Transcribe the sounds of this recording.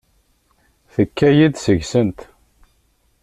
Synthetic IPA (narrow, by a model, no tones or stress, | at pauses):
θəkːæjiðsəʝsənt̪